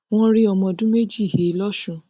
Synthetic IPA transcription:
w̃ɔ̃˦ɾi˦ɔ˧˨mɔ̃˧dũ˦me˦d͡ʒi˦i˨he˨˦lɔ˦ʃũ˧

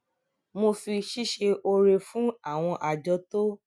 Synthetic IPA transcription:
mo˧fi˧ʃi˦ʃe˧ʔo˧ɾe˧fũ˦a˦˨w̃ɔ̃˧ʔa˨d͡ʒɔ˧˦to˦

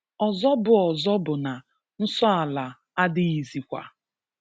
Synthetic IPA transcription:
ɔ˨zɔ˦bʊ˨ɔ˨zɔ˦bʊ˨na˨ | n̩˦sɔ˦a˨la˨ | a˦dɪ˦i˨zi˨kʷa̰˨

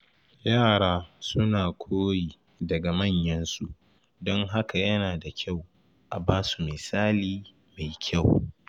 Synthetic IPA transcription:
jaː˦˨ɽaː˦sʊ˦naː˨kʷʰoː˦jiː˨ | dɐ˨ɡa˨mɐ˦˨ɲjɐ˦nsu˦ʔ | dɔ˦ŋɦa˦ka˨jɐ˦naː˨da˨kʲa˦˨w | ʔa˨baː˦su̥˨mɪ˨saː˦liː˦ | ma˨jkʲʰa˦˨w

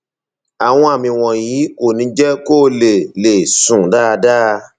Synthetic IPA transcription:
a˨w̃ɔ̃˧a˨mĩ˧w̃ɔ̃˨jiː˨˦ko˨nĩ˨˧˦d͡ʒɛ˦ko˦˨le˨le˨sũ˨da˦˨˧daː˦˧

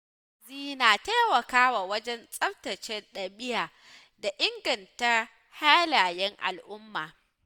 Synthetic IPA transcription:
ziː˦naː˨ta˦wɐ˨kaː˦waː˨wɐ˦d͡ʒɛ˦nsʼɐ˦btɐ˨t͡ʃɛ˦nɗɐ˨bɪ˦jaː˨ | da˨ʔɪ˦ŋɡɐ˨nta˦ | haː˦laː˨jɛ˦ŋʔa̰˨lʔʊ˦mːaː˨

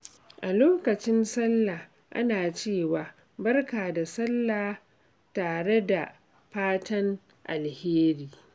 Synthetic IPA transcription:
ʔa˨loː˦kɐ˨t͡ʃɪ˦nsɐ˦lːa˨ | ʔa̰˦naː˨t͡ʃeː˦˨waː˨ | bɐ˦rkaː˨da˨sɐ˦lːaː˨ | taː˨ɽe˦da˨ | ɸaː˦tɐ˦ŋ | ʔa̰˨lheː˦ɾiː˦˨

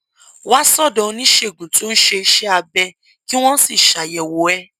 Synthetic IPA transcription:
wa˦sɔ˦˨dɔ̃˧˦nĩ˦ʃe˦˨ɡũ˨tũ˦n̩˦ʃe˧i˧ʃɛ˦a˧bɛ˧ | ki˦w̃ɔ̃˦si˦˨ʃa˨jɛ˨wo˨ɛ˦

